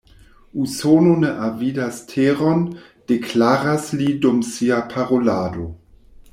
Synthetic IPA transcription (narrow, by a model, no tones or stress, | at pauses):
usononeʔavidastʰeʁon | d̥ekʰlaːɾaslidomsiapʰaʁolaːdo